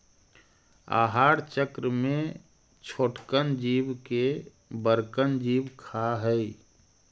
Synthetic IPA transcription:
a̰ːɦaːɾt͡ʃəkɾəmẽ | t͡ʃʰoːʈkənd͡ʒiːbke | bəɾkənd͡ʒiːbkʰaɦəi

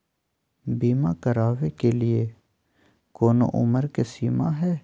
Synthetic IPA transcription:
biːmakəɾaːʋekelie | koːno̰ʔʊ̰məɾkesiːmaɦɛː

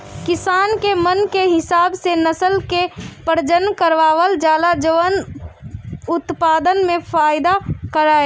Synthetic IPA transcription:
kɪsaːnkemənkeɦɪsaːbsenəsəlkepəɾd͡ʒənkəɾʋaːʋəld͡ʒaːlad͡ʒəʋən | ʊt̪paːd̪ənmẽfaːɪd̪akəɾaːeː

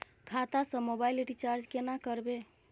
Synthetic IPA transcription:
kʰat̪asəmobaileʈit͡ʃaɾd͡ʒkenakəɾbe

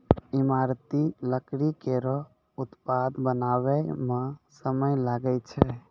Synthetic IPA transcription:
imaɾt̪iləkɽikeɾɔ | ut̪pad̪bənaβɛmẽsəməjlaɡɛt͡ʃʰɛ

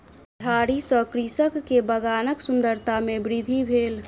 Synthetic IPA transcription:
d̪ʱaɾisəkɾisəkːebəɡanəksund̪əɾt̪amebɾid̪ʱibʱel

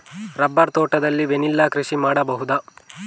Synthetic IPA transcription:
ɾɐbːɐɾt̪oːʈɐd̪ɐlːiʋenilːɐkɾiʃimaːɽɐbɐɦud̪ɐ

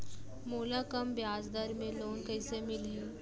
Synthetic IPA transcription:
moːlakəmbjaːd͡ʒd̪əɾmẽloːnkəɦsemɪlĩ

